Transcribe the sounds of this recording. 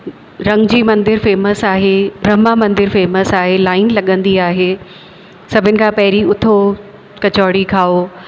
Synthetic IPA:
ɾɐ̃ŋɡd͡ʑiːmɐ̃nd̪ɪɾfeːməsaːɦebʱɾɐmamɐ̃nd̪ɪɾfeːməsaːɦelaːɪnlɐɠə̃nd̪iaːɦe | sɐbʱɪnɪ̆kʰãpɐɦɪɾiʊt̪ʰo | kɐt͡ɕɔːɽikʰaːo

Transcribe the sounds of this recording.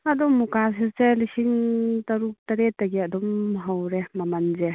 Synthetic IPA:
adɔmːukas̬iselisiŋtɐɾuk̚taɾetːaɡiɐdɔmɦawɾemamanze

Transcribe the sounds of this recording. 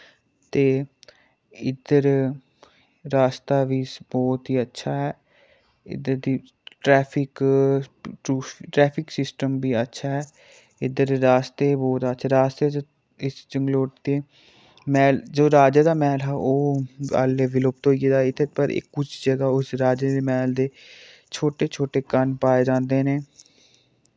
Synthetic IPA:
t̪eː | ɪd̪əɾ | ɾaːst̪aːʋiːbɔːt̪ɦiːətːʃʰaːɛː | ɪ̰d̪əɾd̪iː | ʈɾɛːpʰɪk | ʈuːʈɾɛːpʰɪksɪsʈəmbiːətːʃʰaːɦɛː | ɪd̪əɾːaːst̪eːbɔːt̪ətːʃʰaːɾaːst̪eːd͡ʒ | ɪst͡ʃəŋɡloːʈt̪eː | mɛːld͡ʒoːɾaːd͡ʒaːd̪aːmɛːlɦɛːʔoːa̰ːlːeːʋɪloːb̚t̪ɦoːied̪aːɪt̪ʰːepəɾɪ̰kːʊt͡ʃʰd͡ʒəɡaːʊsɾaːd͡ʒed̪emɛːld̪eː | t͡ʃʰoːʈeːt͡ʃʰoːʈeːkənpaːeːd͡ʒãːnd̪eːneː

